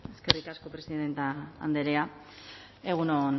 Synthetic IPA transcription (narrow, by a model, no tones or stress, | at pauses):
e̞ske̞rikasko̞pɾe̞siðe̞nt̪aa̰nd̪e̞ɾea | e̞ɣ̞unon